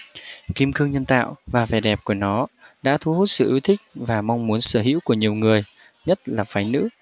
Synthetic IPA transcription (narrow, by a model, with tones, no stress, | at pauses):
ki˧mkɨ˧əŋɲə˧nt̪a̰ː˧˨wvaː˨˩vɛ˨˩ɗɛ˨˩p̚ku˧˩ənɔ˨˦ɗa̰ː˧˥t̪ʰu˨˦hu˦˥t̚sɨ̰˧˨ʔi˨˦wt̪ʰï˦˥k̟̚vaː˨˩ma˧wŋ͡mmu˨˦ənsəː˧˩ɦḭ˧˥əwku˧˩əɲi˨˩əwŋɨ˨˩əj | ɲə˦˥t̚laː˨˩faː˨˦jnɨ̰˧˥